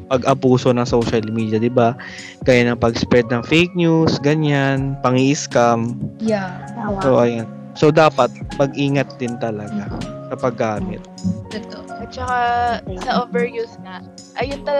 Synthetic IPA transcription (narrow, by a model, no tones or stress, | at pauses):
pɐɡʔɐbuːso̞nɐŋsowʃɐlmiːd̪jɐd̪ɪba | ɡ̥aːjanɐŋpɐɡspɛt̪̚nɐŋfejk̚ɲusɡɐɲanpɐŋiʔɪskamjasoʔɐjan | sod̪aːpɐt̪̚mɐɡʔiːŋɐt̪̚d̪ɪnt̪ɐlɐɡasɐpɐɡːaːmɪ̰t̪̚d̪ot̪oʔɐt͡ʃɐkasɐʔoːvɛɹjusŋɐ | ʔɐjont̪ɐ